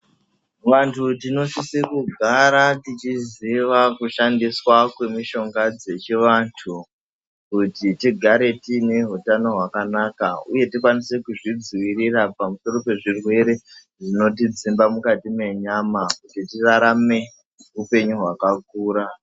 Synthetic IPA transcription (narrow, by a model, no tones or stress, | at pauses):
ʋantʰutino̞ʃisekuɡʱaɾatit͡ʃiziʋakuʃandiswakwe̞miʃo̞ŋɡad͡ze̞t͡ʃiʋantʰu | kutitiɡʱaɾe̞tine̞ɦutano̞ɦwakanakauje̞tikwanise̞kuʐid͡ziwiɾirapamuso̞ɾo̞pe̞ʐirwe̞ɾe̞ | ʐino̞t̬id͡zimbamukatime̞ɲamakutitiraɾame̞ | upe̞ɲuɦwakak̚uːɾa